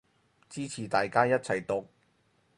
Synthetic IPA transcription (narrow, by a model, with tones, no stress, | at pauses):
t͡siː˥t͡sʰiː˨˩t̪aː˨jkaː˥jɐ˥t̚t͡sʰɐ˨˩jt̪ʊ˨k̚